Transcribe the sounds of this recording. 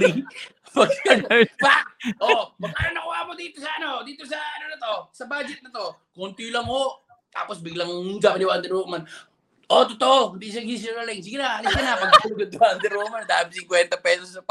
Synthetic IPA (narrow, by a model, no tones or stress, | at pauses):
ɾi | pɐɡapaʔopɐpaːɾonɐkʊhaʔmod̪iːt̪osɐʔɐnod̪iːt̪o̞s̬ɐɐnonɐt̪o̞sɐbad͡ʒɛt̪̚nɐt̪o̞ | kont̪jlɐŋhoʔ | t̪a̰ːposbɪɡlɐŋɡaʔɐd̪ɪwaɐnd̪ɛɾoman | ʔot̪ot̪oʔond̪is̬ɐŋhis̬ɛɾɐlɪŋs̬iɡɪnaʔɐlɪskɐnɐpɐɡ̪ɐt̪uɡɐd̪wand̪ɛɾomand̪aːɪbsɪŋkwɛnt̪ɐpɛːsossɐpa